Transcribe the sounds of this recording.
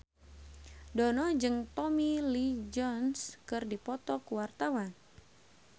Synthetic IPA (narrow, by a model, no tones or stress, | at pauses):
dɔnɔd͡ʒɨŋt̪ɔmilid͡ʒɔnskɨrdipɔt̪ɔkuwart̪awan